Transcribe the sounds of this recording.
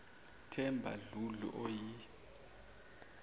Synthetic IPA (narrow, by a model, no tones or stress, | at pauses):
tʰɛmbʱa̰ɮuɮṵʔɔji